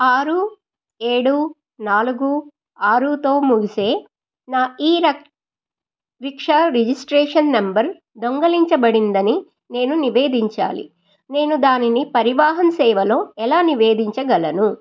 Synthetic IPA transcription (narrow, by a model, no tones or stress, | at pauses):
aːɾu | e̞ːɽu | naːluɡu | aːɾuːt̪o̞ːmuɡise̞ː | naːiːɾɐ | ɾikʂaɾed͡ʒisʈɾeːʂɐnːɐmbɐɾ | d̪oŋɡɐliɲt͡ʃɐbɐɽind̪ɐni | ne̞ːnuniʋe̞ːd̪iɲt͡ʃa̰ːlḭ | ne̞ːnud̪aːninipɐɾiʋaːɦɐmsɛːʋɐlo̞ːɛlaːniʋe̞ːd̪iɲt͡ʃɐɡɐlɐnu